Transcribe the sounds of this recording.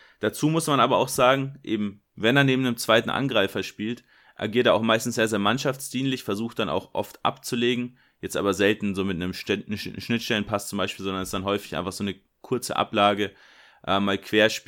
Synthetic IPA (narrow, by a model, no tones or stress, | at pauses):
d̥at͡suːmʊsmanʔaːbɐa̰ʊxz̥aːɡŋ̩ʔeːbm̩ | vɛneːɐneːbm̩nəmt͡sv̥aɪtn̩ʔa̰nɡʁaɪfɐʃpiːlt | ʔa̰ɐɡiːɐteɐaʊxmaɪstn̩sz̥eːɐzeːɐmanʃaft͡sd̥iːnlɪçfɛɐzuːxt̚d̥ana̰ʊxʔɔ̰ftʔa̰pt͡suleːɡŋ̩ | jɛt͡stʔaːbɐzɛltn̩zoːmɪtnəmʃɛʃʃnɪtʃtɛlənpʰast͡sʊmbaɪʃpiːlzɔndɐnɛsd̥anɦɔʏfɪ̥çʔa̰ɪnfaχz̥oːnə | kʰʊɐt͡sə̰ʔa̰plaːɡə | ʔɛːmːaːlkʰv̥eːɐʃp